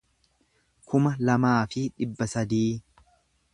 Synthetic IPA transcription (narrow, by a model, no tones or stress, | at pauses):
kʰʊmɐlɐmaːfɪᶑɪbːɐsɐd̪iː